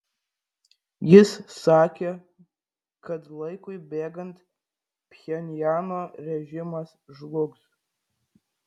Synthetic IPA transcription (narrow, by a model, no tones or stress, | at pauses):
jɪsːaːkʲe | kɐtlˠɐɪkʊjbʲeːɡɐnt | pːʲɛnʲjaːnoːrʲɛʒʲɪmɐs | ʒlˠʊks